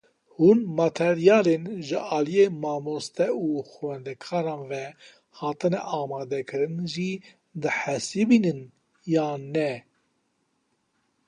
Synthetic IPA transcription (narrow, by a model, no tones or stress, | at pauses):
huːnmɑt̪ʰɛɾijɑːlenʒɨʔɑːlijeːmɑːmost̪ɛuːxwɛnd̪ɛkʰɑːɾɑ̃ːnvɛ | hɑːt̪ɨnɛʔɑːmɑːd̪ɛkʰɨɾɨnʒi | d̪ɨħɛsibinɨn | jɑːnɛ